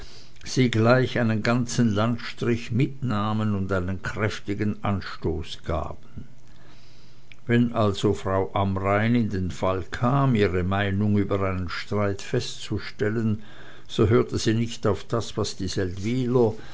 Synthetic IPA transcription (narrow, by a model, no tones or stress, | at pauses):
z̥iːɡlaɪçaɪnənɡant͡sn̩lantʃtʁ̥ɪçmɪtnaːmənʊndaɪnənkʁ̥ɛftɪɡənʔanʃtoːsɡ̥a̰ːb̥ən̩ | vɛnʔalzofʁ̥aʊʔamʁaɪnɪndeːnfalkʰaːmiːʁəmaɪnʊŋyːbɐʁaɪnənʃtʁ̥aɪtfɛstt͡suʃtɛlən | z̥oɦøːɐtəz̥iːnɪçtaʊfd̥asv̥asd̥iːzɛltviːlɐ